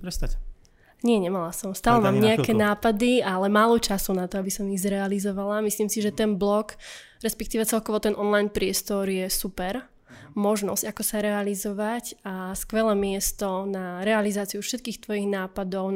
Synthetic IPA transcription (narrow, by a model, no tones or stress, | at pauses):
pɾɛst̪a | ɲɪɛɲɛmalasɔmst̪aːlɛmaːmɲɛakɛnaːpad̪ialɛmaːlɔt͡ʃasunat̪ɔabisɔmiɣzɾɛalizɔʋalamisliːmsiʒɛt̪ɛnblɔk | ɾɛspɛk̚t̪iːʋɛt͡sɛlkɔʋɔt̪ɛnʔɔnlajnpɾɪɛst̪ɔɾjɛsupɛɾ | mɔʒnɔ̰zcakɔsaɾɛalizɔʋacaskʋɛlɛːmɪɛst̪ɔnaɾɛalizaːt͡siufʃɛt̪kiːxt̪ʋɔjiɣnaːpad̪ɔʊ